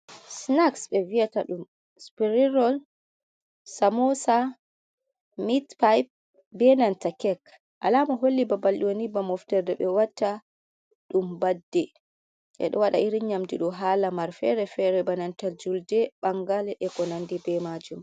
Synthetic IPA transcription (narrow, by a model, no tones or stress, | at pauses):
snaksbɛviataɗum | spiɾiɾɔl | samɔsa | mitpajp̚ | bɛnantakɛk | ʔa̰lamɔɦolːibabalɗiwonibamɔftɛɾdɛɓɛwatːa | ɗumbadːɛ | ʔɛ̰ɗɔwaɗa̰ʔiɾiɲamdiɗɔɦaːlamaɾfɛ̰ɾɛfɛɾɛbanantad͡ʒuldɛɓaŋɡalɛʔɛkɔnandibɛmad͡ʒum